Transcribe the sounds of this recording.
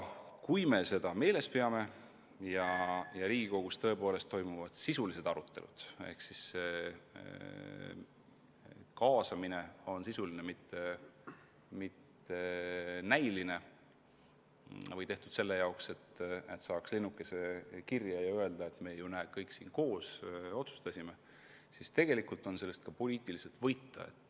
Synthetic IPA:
kujme̞se̞d̪̥ɑme̞ːle̞speɑme̞ | jɑjɑɾiːɡ̥iko̞ɡ̥ust̪ɤ̞e̞po̞ːle̞st̪ːo̞jmuvɑd̪̥sisulise̞d̪̥ɑɾut̪ːˑe̞̰lṵd̪̥ḛhksise | kɑːsɑmine̞o̞nsisulinemit̪ːe | mit̪ː | e̞næjline̞ | vɤjt̪e̞ht̪ud̪̥se̞lːe̞jɑokse̞t̪ːe̞t̪sɑːkslinːukːˑe̞se̞kirjɑjɑøe̞ld̪̥ɑe̞t̪me̞junæ̥ːkɤjksiːnko̞ːso̞t̪su̥st̪ɑsʲime | sist̪e̞ɡ̥e̞likˑult̪ˑo̞nse̞lːest̪̚kɑpo̞lʲiːt̪ˑilise̞lt̪ˑvɤjt̪ːɑ̰ḛt̪ːˑ

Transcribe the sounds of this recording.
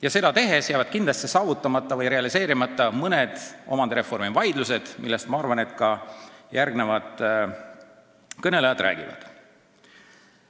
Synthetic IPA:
jɑse̞d̪ɑt̪e̞ɦe̞sjæːvɑd̪̥kind̪lɑst̪sesɑːvut̪ːˑɑmɑt̪ːˑɑvɤjɾe̞ɑlise̞ːɾimɑt̪ˑːɑmɤned̪̥o̞̰mɑnd̪eɾe̞fo̞rmivɑjd̪luse̞d̪̥milːest̪mɑɑrvɑne̞t̪kɑjærɡne̞vɑd̪̥ | kɤne̞lejɑd̪̥ɾʔæ̰ːɡ̥ivɑ̰d̪̥

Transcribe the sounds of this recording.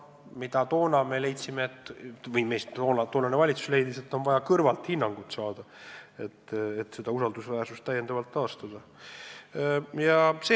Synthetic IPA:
mid̪̥ɑt̪o̞ːnɑme̞le̞jt̪simeːt̪ːˑvɤjme̞jst̪t̪oːnɑt̪oːnɑnevɑlʲit̪su̥sle̞jd̪ise̞t̪ːo̞nvɑjɑkɤrvɑlt̪hinːɑŋɡ̥ut̪sɑːd̪̥ɑe̞t̪ːet̪ːse̞d̪ɑusɑld̪usvæːrsust̪ːæjːend̪ɑvɑlt̪ːɑːst̪ɑd̪̥ɑ | jɑse

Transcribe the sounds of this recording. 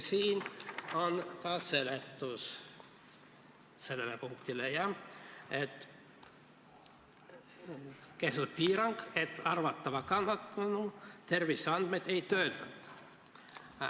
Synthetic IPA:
siːnonkɑːsselet̪ːus | selːelːepuŋkt̪ilejɑet̪ | kest̪ut̪̚piːɾɑŋket̪ɑrʋɑt̪ːɑʋɑkɑnːɑt̪ːɑnut̪erʋisɑnd̪met̪eit̪øːt̪ænt̪

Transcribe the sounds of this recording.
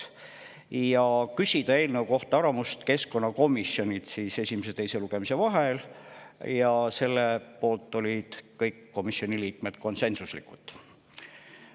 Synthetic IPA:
jɑkysʲid̪̥ɑe̞ːlnewko̞ht̪ɑɑɾɑmust̪ke̞sko̞nːɑko̞misːjo̞nʲid̪̥siːse̞sʲimes̬e̞t̪ejse̞luɡ̥e̞mise̞vɑɦel | jɑse̞lːepo̞ːlt̪ːˑo̞lʲid̪̥kɤjkːo̞misio̞niliːk̚met̪ko̞nse̞nsuslḭkˑut̪ˑ

